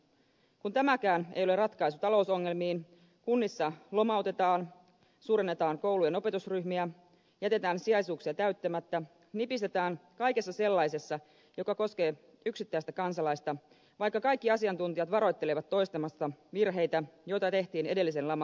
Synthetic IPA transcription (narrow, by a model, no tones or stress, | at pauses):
kunt̪æmækæːnḛjolerɑt̪kɑisut̪ɑlo̞uso̞ŋːe̞lmiːn | kunːisːɑlo̞mɑwt̪e̞t̪ɑːn | suːɾenːet̪ɑːŋko̞wluje̞no̞pe̞t̪usryçmiæ | jæt̪e̞t̪æːnsiɑjsuːksiɑt̪æɥt̪ːæmæt̪ːæ | nipist̪e̞t̪æːnkɑjke̞sːɑse̞lːɑjse̞sːɑ | jo̞kɑko̞ske̞ː | yksit̪ːæist̪ækɑnsɑlɑjst̪ɑ | ʋɑjkːɑkɑjkːiɑsiɑnt̪unt̪ijɑt̪ʋɑɾo̞jt̪ːe̞leʋɑt̪ːo̞jst̪emɑst̪ːɑʋirɦe̞jt̪æjo̞jt̪ɑt̪e̞ht̪iːne̞delːis̬e̞nlɑmɑ